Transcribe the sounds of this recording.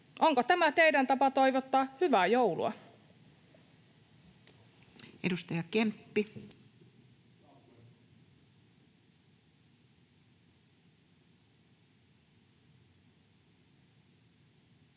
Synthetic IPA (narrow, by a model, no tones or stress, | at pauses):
ʔoŋkot̪æmæt̪eidænt̪ɑpɑt̪oiʋot̪ːɑːhyʋæjoulṵɑ̰ | edust̪ɑjɑkempːi